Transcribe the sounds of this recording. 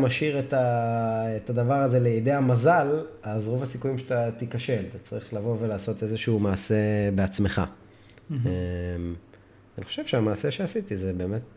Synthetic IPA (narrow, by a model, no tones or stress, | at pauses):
maʃiʁeta | etad̪avaʁaze̞leid̪ejamazalazʁo̞vasikujimʃet̪at̪ikaʃe̞lat̪at͡saʁiχlavo̞ve̞laːso̞t̪e̞zeʃuumaːse̞beat͡sme̞χa̰ | em | aniχo̞̥ʃev̥ʃeamaːse̞ʃeasitizebe̞ːme̞t̚